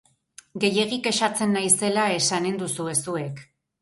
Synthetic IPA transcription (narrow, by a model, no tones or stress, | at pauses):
ɡe̞je̞ɣ̞ike̞ʃat͡se̞nːajse̞lae̞sane̞nd̪usue̞sue̞k